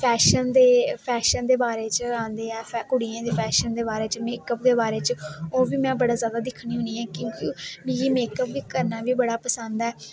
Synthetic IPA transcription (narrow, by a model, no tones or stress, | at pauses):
pʰɛːʃənd̪eːpʰɛːʃənd̪eːbaːɾeːt͡ʃəãːnd̪eːɛːpʰɛkʊɽiːãːd̪eːpʰɛːʃənd̪eːbaːɾeːt͡ʃəmeːkəp̚d̪eːbaːɾeːt͡ʃoːʋiːmɛ̃ːbəɽaːzjaːd̪aːd̪ɪkʰːniːɦʊ̃ːniːɛ̃ːkjõːkimiiːmeːkəpʋiːkəɾnaːʋiːbəɽaːpəsənd̪ɛː